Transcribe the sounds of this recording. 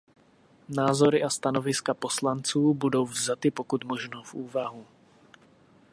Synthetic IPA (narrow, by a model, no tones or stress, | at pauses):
naːzo̞ɾɪʔast̪anovɪskapo̞slant͡suːbudo̞wvzat̪ɪpokut̪moʒnofʔuːvaɦu